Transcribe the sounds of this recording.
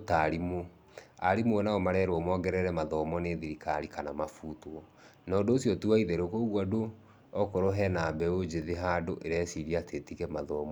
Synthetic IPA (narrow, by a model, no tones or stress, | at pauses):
taɾimo | aɾimoɛnaomaɾɛɾwɔmɔːɡɛɾɛɾɛmaðɔmɔneðiɾikaɾikanamafutɔ | nɔːndoːsjɔtuaiðɛɾokoɣwado | ɔkoɾoɦɛnabɛod͡ʑeðeɦadoʔeɾeɛsiɾiatʰetikɛmaðɔmɔ